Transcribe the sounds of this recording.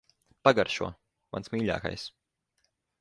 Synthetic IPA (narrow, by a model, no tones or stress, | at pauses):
paɡaɾʃṵɔɐ | ma̰nsmʲiːʎʲa̰ːka̰js